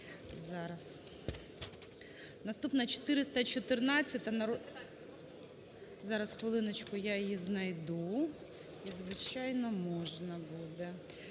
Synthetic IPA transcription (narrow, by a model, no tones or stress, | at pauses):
zɑɾɐs | nɐst̪upnɐt͡ʃɔ̥t̪ɪɾɪst̪ɐt͡ʃɔt̪ɪrnɑt͡sʲːɐt̪̚ʲɐnɐɾ | zɑɾɐsxʋɪlˠɪnɐt͡ʃkʊjajjiznɐjd̪u | izʋɪt͡ʃɑjnɔmɔʒnɐbud̪ɛ